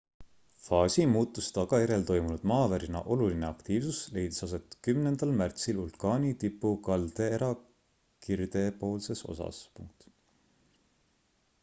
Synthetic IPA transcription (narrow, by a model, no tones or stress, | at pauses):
fɑːsʲimuːt̪ːˑust̪ɑɡ̥ɑeɾe̞lt̪o̞jmunud̪̥mɑːvæɾinɑ̰ʔo̞luline̞ɑkt̪iːvsusle̞jd̪i̥sɑs̬e̞t̪ˑkymnend̪̥ɑlmært̪silulkɑːnʲit̪ipːukɑld̪̥e̞eɾɑ | kird̪̥e̞po̞ːlse̞so̞̰sɑ̰spuŋk̚t̪